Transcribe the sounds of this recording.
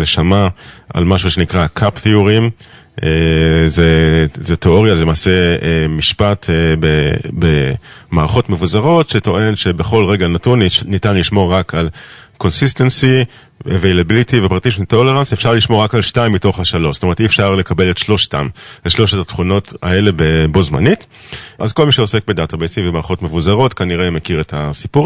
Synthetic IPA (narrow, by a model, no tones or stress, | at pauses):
zeʃamaa̰lmaʃuʃenikʁakʰapt̪iuʁim | ezezeteo̞ʁjazelemaːseemiʃpatʰbebemaːʁaχo̞tmevuzaʁo̞tʃeto̞ʔe̞nʃebeχo̞lʁe̞ɡanatunːitanliʃmo̞ʁakʰalko̞nsist̪ensi | evejlabilitivepʁatiʃito̞le̞ʁansefʃaʁliʃmoʁakalʃtaimːito̞χhaʃalo̞ʃstome̞etiefʃaʁle̞kabe̞letʃlo̞ʃta̰meʃlo̞ʃetatχuno̞ta̰e̞le̞be̞bo̞zma̰nit | ʔazko̞lmiʃeose̞k̚be̞databejsiŋvemaːʁaχo̞tme̞vuzaʁo̞tkaniʁemekiʁetʰasipuʁ